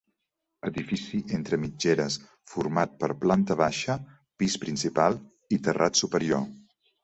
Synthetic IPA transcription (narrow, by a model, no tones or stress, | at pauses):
əðifisiʔent̪ɾəmid͡ʒeɾəs | fuɾmat̪̚pəɾplant̪əβaʃə | pispɾinsipalˠ | it̪ərʔat̪supəɾio